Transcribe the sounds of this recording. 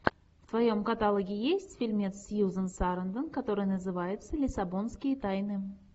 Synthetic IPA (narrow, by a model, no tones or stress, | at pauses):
ft̪vajo̞mkɐt̪alˠəɡʲɪjesʲtʲfʲɪlʲmʲet̪sjuzənsaɾənd̪ənkɐt̪o̞ɾɨjnəzɨvajɪt̪səlʲɪsabo̞nskʲɪjət̪ajnɨ